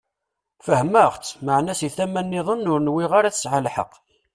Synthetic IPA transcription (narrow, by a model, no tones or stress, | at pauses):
fəhməʁt͡sːməʕnæsiθæmænːɪðˤənːʊɾnwɪʁaɾaθəsʕalħə̰q